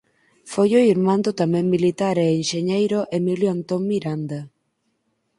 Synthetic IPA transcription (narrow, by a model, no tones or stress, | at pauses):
fojoiɾmãnd̪ʊt̪amɛ̃ŋmilit̪aɾeːnʃeɲejɾʊʔemiljoant̪oŋmiɾand̪a